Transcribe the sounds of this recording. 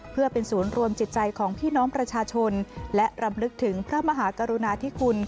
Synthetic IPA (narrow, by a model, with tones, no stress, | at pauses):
pʰɯ˥˩ɐpe˧nsuː˩˦nɾu˧əmt͡ɕi˨˩t̪̚t͡ɕa˧jkʰɔː˩˦ŋpʰiː˥˩nɔː˦˥ŋpɾa˧t͡ɕʰaː˧t͡ɕʰo˧nlɛ˦˥ʔɾa˧mlɯ˦˥k̚t̪ʰɯ˩˦ŋpʰɾa˦˥ma˧ɦaː˩˦ka˧ɾu˧naː˧t̪ʰiː˦˥kʰu˧n